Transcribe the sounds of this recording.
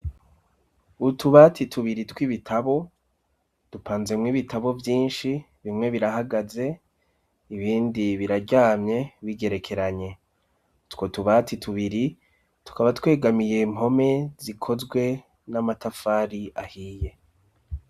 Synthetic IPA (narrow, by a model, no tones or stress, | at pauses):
utuβatʰitʰuβiɾitwiβitʰaβo̞ | d̥upʰaːnze̞mŋiβitʰaβo̞vjiːnʃi | βimŋe̞βiɾahaɡaze̞ | iβiːndiβiɾaɾɟaːmɲe̞βiɡe̞ɾe̞kʰe̞ɾaɲe̞ | twotuβatitʰuβiɾi | tu̥kaβatkwe̞ːɡamije̞imo̞me̞zikʰo̞zɡwe̞ | namatafaːɾiʔahiːje̞